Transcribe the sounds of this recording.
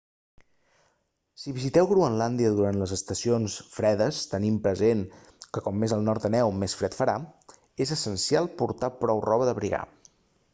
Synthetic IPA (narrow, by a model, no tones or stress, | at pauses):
siβizit̪ɛwɣɾuənland̪iəðuɾant̪ləzəst̪əsionsfɾɛðəst̪ənimpɾəzeŋ | kəkɔmːezəlˠnɔɾt̪ənɛwmesfɾɛt̪fəɾa | ezəsənsialˠpuɾt̪apɾɔwrɔβəðəβɾiɣa̰